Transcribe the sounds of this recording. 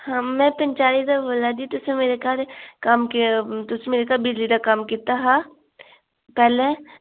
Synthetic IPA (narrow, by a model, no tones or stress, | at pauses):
hãmɛ̃pɐ̃nt͡ʃaːlid̪aboːlad̪it̪ʊsemeːɾekaːɾkaːmkit̪ʊsemeːɾekaːlbɪd͡ʒlid̪akaːmkit̪aɦaː | pɛːle